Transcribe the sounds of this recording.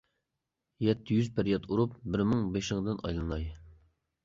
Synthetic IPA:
jɛt̪ʰːɪjyzpʰɪɾjɑt̪ʰuɾupbɪɾmɨŋbeʃɪŋd̪ɨnʔɑ̰jlˠɨnɑj

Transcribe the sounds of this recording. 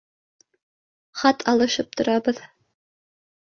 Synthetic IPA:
χɑt̪ʰɑlˠɤ̆ʃɤp̚t̪ŏɾɑbɤð

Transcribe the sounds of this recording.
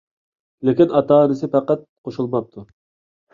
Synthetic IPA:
lɪkʲinɑt̪ɑːnɪsɪpʰæqæt̪̚qʰoʃulˠmɑp̚t̪ʰu

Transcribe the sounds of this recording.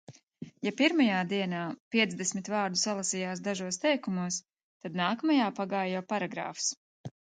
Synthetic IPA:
japiɾmajaːd̪iɛnaːpiɛt̪zd̪ɛsmʲit̪vaːɾd̪usalˠasijaːs̬d̪aʒuɔst̪ɛjkumuɔs | t̪ad̪naːkɐmajaːpaɡaːjjawpaɾaɡɾa̰ːfs

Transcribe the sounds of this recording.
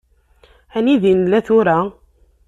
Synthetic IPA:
æniðinlæθʊɾæ

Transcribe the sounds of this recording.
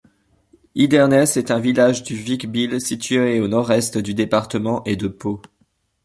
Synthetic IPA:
id̪ɛʁnɛsɛt̪ɛ̃vilaʒd̪yvikbilsit̪yeonɔʁɛst̪d̪yd̪epaʁt̪əmɑ̃ʔed̪əpo

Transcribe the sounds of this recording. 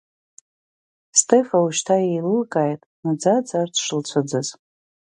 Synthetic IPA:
stʰʼefauʃtʰaejlɨlkʼajtʼnad͡zad͡zartʰʂɨlt͡sʷʰad͡zɨz

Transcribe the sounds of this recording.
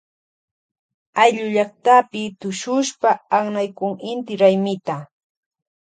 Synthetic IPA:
ajʎʊʎɑχt̪apɪt̪ʊʃʊʃpaːχnajkʊŋɪnt̪ɪɾajmɪt̪a

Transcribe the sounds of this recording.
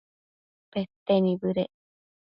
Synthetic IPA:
pet̪ːenibɯɾe

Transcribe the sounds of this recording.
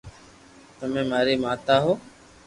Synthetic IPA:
t̪əmẽːmaːɾiːmaːt̪aːɦoː

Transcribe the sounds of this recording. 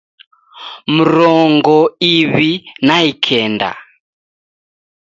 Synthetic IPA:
m̩ɾɔŋɡɔiβinaikʰɛnda̰

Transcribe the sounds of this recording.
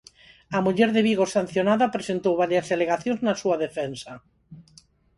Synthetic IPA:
ɐmuʎɛɾðeβiɣosanθjonaðapɾesent̪owβaɾjazðeleɣaθjõnznasuaðefɛnsa

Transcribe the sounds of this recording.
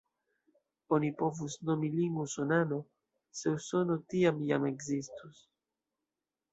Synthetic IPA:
onipovusnomiliŋɡusonano | seusonot̪iamjameɡzist̪us

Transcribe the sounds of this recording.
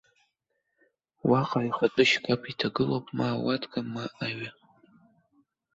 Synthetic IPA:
waqʼaiχatʼɨʃkʼapʰitʰaɡɨlopʼmaːwatʰʼkʼamaʔaɥa

